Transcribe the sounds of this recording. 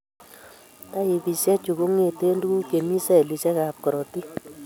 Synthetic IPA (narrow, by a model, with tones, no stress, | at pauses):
ta˦i˧pi˨sɛ˦t͡ʃu˨ku˦ŋe˨te˦ndu˦ɡu˦ke˨mi˦sɛ˦˨li˨˧sɛ˦ka˨p̚kɔ˨ɾɔ˨ti˦